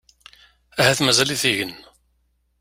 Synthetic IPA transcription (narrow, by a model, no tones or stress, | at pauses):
æhæθmæzæliθiʝən